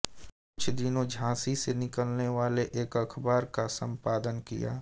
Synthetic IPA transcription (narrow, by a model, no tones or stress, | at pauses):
kʊt͡ʃʰd̪ɪnõd͡ʒʱãːsisenɪkəlneʋaːleʔeːkəkʰbaːɾkasə̃mpaːd̪ənkḭja̰ː